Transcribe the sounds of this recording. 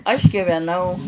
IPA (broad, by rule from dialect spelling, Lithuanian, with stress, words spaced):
ɐʃ ɡʲɪʋʲɛˈnɐʊ